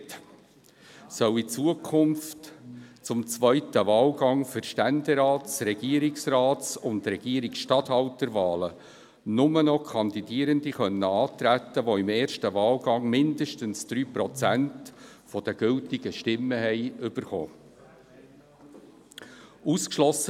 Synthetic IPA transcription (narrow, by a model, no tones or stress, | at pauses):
t | sœwit͡suəkʰʊmftt͡sʊmt͡svœʏtəvɑːlɡɑŋfʏɾʃtænd̪ɛɾɑːtsɾɛɡ̥iəɾɪksrɑːt͡sʊnd̪ɾɛɡ̥iːəɾiksʃtɑt̪hɑltəɾvɑːlə | nʊmənɔkʰɑnd̪id̥iəɾəndiχœnːəɑːt̪ɾæt̪ːəʋoɪmeːɾʃtəvɑːlɡɑŋmɪndəʃtənsd̥̪ɾyːpɾɔt͡sænt | fɔd̥əɡ̥ʏltɪɡ̥əʃtɪmːəhɛɪʏb̥əɾχɔ̰ː | uskʃlɔsə